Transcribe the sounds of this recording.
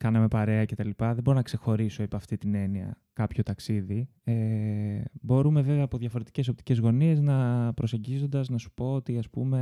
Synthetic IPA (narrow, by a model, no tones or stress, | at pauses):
kɐnɐme̞pɐɾe̞ɐce̞t̪ɐlipɐðebo̞ɾonɐkse̞xo̞ɾiso̞epɐft̪it̪ine̞niɐ̰ | kɐpço̞t̪ɐksiði | e | bo̞ɾume̞ve̞veɐːpo̞ðʝɐfo̞ɾet̪i̥ce̞so̞p̚t̪i̥ce̞zɣo̞nie̞znɐpɾo̞se̞ɲɟizo̞nd̪ɐznɐsu̥po̞ot̪iɐspṵme̞